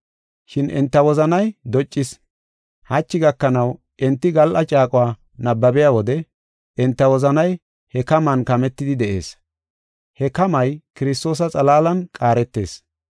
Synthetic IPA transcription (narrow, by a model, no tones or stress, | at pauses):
ʃɪnʔɛ̰nt̪ːɐwɔzɐnɐjd̪ɔt͡ʃʼːɪs | hɐt͡ʃːɪɡɐkːɐnɐw | ʔɛnt̪ːɪɡɐlʔɐt͡ʃʼaːkʼʊwaː | nɐbːɐbɪjaːwɔd̪ɛ | ɛnt̪ːɐwɔzɐnɐj | hɛkɐmɐnkɐmɛt̪ːɪd̪ɪd̪ɛʔe̞̰ːs | hɛkɐmɐjkɪɾɪs̬t̪o̞ːs̬ɐt͡sʼɐlaːlɐnkʼaːɾɛt̪ːe̞̰ːs